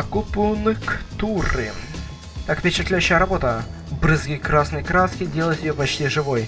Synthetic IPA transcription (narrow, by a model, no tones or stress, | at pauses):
ɐkupʊnɨkt̪urɨ̰ | t̪akpʲɪt͡ɕɪt̪lʲæjʉɕːɪjəɾɐbo̞t̪ə | bɾɨzɡʲikɾasnəjkɾaskʲɪdʲe̞lˠəjɪt̪ʲjɪjopɐt͡ɕtʲiʐɨvo̞j